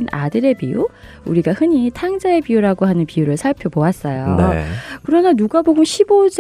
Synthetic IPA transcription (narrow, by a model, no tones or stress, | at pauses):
na̰dɯɾe̞piu | uɾiɡahɯɲitʰaŋd͡ʑae̞piuɾaɡoɦanɯnpiuɾɯɭsʰaɭpʰjʌpoas͈ʌjo | kɯɾʌnanuɡaboɡunɕʰibod͡ʑ